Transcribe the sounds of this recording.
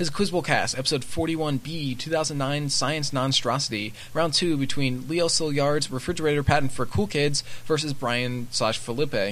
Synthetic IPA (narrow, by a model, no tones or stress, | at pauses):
hɨzɨkʰw̥ɪzəbl̩ˠkʰæ̰stɛpəsoʊd̥fɔɹɾiwʌ̃nbitʰʉθaʊz̃n̩ːãɪ̃nsaɪɨ̃nsnɑ̃nstɹ̥ɑsəɾi | əɹãʊ̃ntʰʉbɨtʰw̥ĩnlioʊsɪlˠjɑɹdzɹɨfɹɪd͡ʒə˞eɪɾə˞pʰæʔn̩tfə˞kʰulˠkʰɪdzvɜ˞sɨzbɹaɪɨ̃nsɑʃfəlɪpe